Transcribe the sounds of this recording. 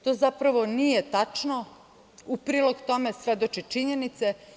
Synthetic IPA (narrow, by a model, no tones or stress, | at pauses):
t̪o̞ːzapɾaʋo̞nijet̪at͡ʃno | upɾiːlo̞ɡt̪o̞me̞sʋe̞d̪ot͡ʃit͡ʃiɲe̞nit̪se